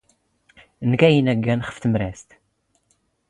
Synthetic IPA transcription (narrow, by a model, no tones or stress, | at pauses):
nkæjənæɡːænχə̥fθəmɾæst̪